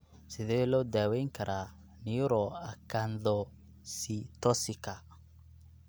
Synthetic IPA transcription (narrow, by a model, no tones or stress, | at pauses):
siðelɔdaweŋkaɾʔa | niuɾɔakandɔ | sitɔsika